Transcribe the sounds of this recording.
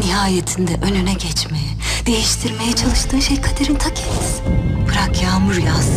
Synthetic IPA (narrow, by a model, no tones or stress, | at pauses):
nihaːjet̪ʰind̪ɛʔønynɛɟɛt͡ʃmejɛd̪̥e̞jiʃt̪ʰiɾme̞jɛt͡ʃʰalˠɯʃt̪ʰɯːnʃejkʰad̪eɾint̪ʰakʰɛ̥t̪pʰɯɾakjaːmuɾjas